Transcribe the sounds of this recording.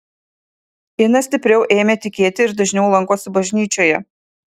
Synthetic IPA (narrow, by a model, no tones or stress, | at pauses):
ɪnɐsʲt̪ʲɪpʲɾʲɛʊʔeːmʲet̪ʲɪkʲeːt̪ʲɪɪɾd̪ɐʒʲnʲɛʊlˠɐŋkoːsʲɪbɐʒʲnʲiːt͡ʃʲoːjɛ